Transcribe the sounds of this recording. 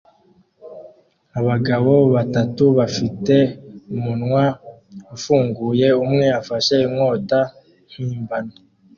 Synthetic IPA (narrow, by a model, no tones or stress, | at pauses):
aβaɡaβo̞βatatuβafite̞umunŋwa | ufuːŋɡuːje̞umŋe̞afaʃeimŋo̞ːta | hiːmbano